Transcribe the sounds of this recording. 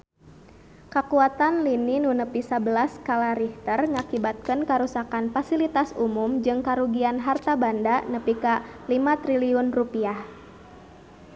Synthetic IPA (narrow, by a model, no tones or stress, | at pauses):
kakuat̪anlininunəpisabəlaskalaɾiht̪ərŋakibat̪̚kənkaɾusakanfasilit̪asumumd͡ʒɨŋkaɾuɡianɦart̪abandanəpikalimat̪ɾiliʊnrupiah